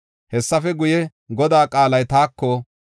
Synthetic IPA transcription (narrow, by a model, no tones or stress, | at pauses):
hɛsːɐfɛɡʊjɛ | ɡɔd̪aːkʼaːlɐjt̪aːkːɔ